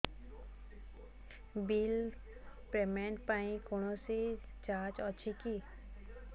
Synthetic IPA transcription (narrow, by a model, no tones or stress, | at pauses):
bil | pemẽɳʈ̚paĩkoñõsi | t͡ʃaːt͡ʃɔt͡ʃʰiki